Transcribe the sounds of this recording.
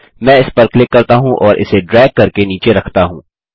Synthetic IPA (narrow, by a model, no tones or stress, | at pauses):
mɛ̃ːɪspɐɾklɪkːɐɾt̪aɦũʔɔːɾʔɪ̰seɖɾɛːɡ̚ːɐɾkeniːt͡ʃeɾɐkʰt̪aɦũː